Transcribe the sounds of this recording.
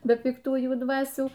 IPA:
bʲɛ pʲɪkˈtuːjuː ˈdʋɑːsʲuː

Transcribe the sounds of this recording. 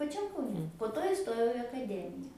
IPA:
pɐˈt͡ʃʲɛm kɐʊˈnʲɛ poː ˈtoː ɪˈstoːjɛʊ ɪ ɐkɐˈdʲæːmʲɪjɛ

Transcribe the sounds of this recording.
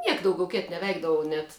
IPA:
ˈnʲiɛk dɐʊˈɡʲɛʊ ˈkʲeːt nʲɛʋʲˈɛɪɡdɐʋɐʊ nʲɛt

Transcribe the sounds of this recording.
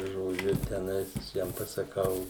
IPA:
ʒoːˈd͡ʒʲʊ tʲɛˈnɐɪs ʋʲɪˈsʲiɛm pɐsɐˈkɐʊ

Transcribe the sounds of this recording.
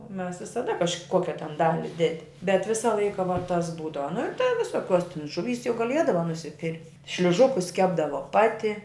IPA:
oː mʲɛs ʋʲɪsɐˈdɐ kɐʃˈkoːkʲɛ tʲɛn ˈdɑːlʲɪ ˈdʲæːdʲɪ bʲɛt ˈʋʲɪsɐ ˈlˠɐɪkɐ ʋuɔ tɐs ˈbuːdɐʋɐ nʊ ɪr tɐ ʋʲɪsoːˈkʲuɔs tʲɪn ʒʊˈʋʲiːs jɛʊ ɡɐˈlʲiɛdɐʋɐ nʊsʲɪˈpʲɪrʲ ʃʲlʲʊˈʒʊkʊs ˈkʲæːbdɐʋoː ˈpɑːtʲɪ

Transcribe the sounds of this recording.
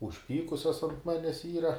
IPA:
ʊʃʲˈpʲiːkʊsʲoːs ɐnt ˈmɑːnʲæːs iːrɐ

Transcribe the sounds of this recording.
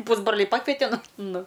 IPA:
ˈpuːzbroːlʲɛɪ ˈpɑːkʋʲɛtʲɛ ˈnʊ ˈnʊ

